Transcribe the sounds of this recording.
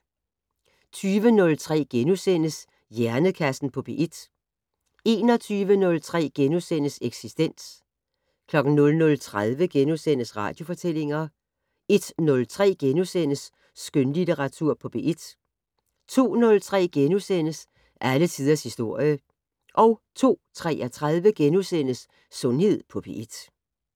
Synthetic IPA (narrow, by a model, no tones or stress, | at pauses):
t͡sʰyːʋənɔ̽lt͡sʰʁɛ̰ːɡ̥enusen̰əs | jæɐnəkʰæsn̩pʰɒ̽b̥e̝ʔed̥ | e̝ːnɒt͡sʰyːʋənɔ̽lt͡sʰʁɛ̰ːɡ̥enusen̰əseɡ̥sisd̥en̰s | kʰlɒ̽ɡ̥n̩nɔ̽lnɔ̽lt͡sʰʁað̞ˠʋəɡ̥enusenəsʁɑ̰̈ːd̥jo̝fɒ̽t͡sʰel̰e̝ŋɐ | e̝d̥nɔ̽lt͡sʰʁɛ̰ːɡ̥enusen̰əsː | ɡ̥ønlit͡səʁɑ̈t͡sʰuɐ̰pʰɒ̽b̥e̝ʔed̥ | t͡sʰo̝̰ːnɔ̽lt͡sʰʁɛ̰ːɡ̥enusen̰əs | ʔælət͡sʰiːð̞ˠɐshisd̥o̝ɐ̰jə | ʔɒ̽ʊt͡sʰo̝̰ːt͡sʰʁɛæt͡sʰʁað̞ˠʋəɡ̥enusen̰əsː | ɔ̽nhe̝ð̞̰ˠpʰɒ̽b̥e̝̰ʔed̥